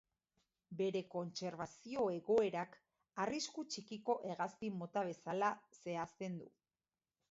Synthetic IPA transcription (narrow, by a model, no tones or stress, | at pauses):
be̞ɾe̞ko̞nt͡se̞ɾβasio̞e̞ɣo̞e̞ɾak | ariskut͡ʃikiko̞ʔe̞ɣaspimo̞t̪aβ̞e̞salase̞ast̪e̞nd̪ṵ